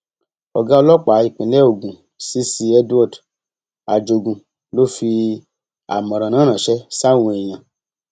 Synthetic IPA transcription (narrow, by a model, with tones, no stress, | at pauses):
ɔ˨ɡã˦ɔ˧lɔ˦k͡pa˨˦i˨k͡pĩ˨lɛ˦o˨ɡũ˨ | si˦si˧ɛ˧du˦ɔ˦˨t | a˨d͡ʒo˧˨ɡũ˧ | lo˦fi˧ | a̰˨mɔ̃˨ɾɔ̃˨nãː˨˦nã˨ʃɛ˦sa˦˨wũ˧e˨j̃ã˨